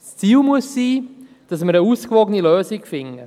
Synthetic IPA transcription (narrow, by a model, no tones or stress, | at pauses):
st͡siːlmuəsːiː | d̥ɑsməɾəuːskʋɔɡəniløːsɪkfɪŋə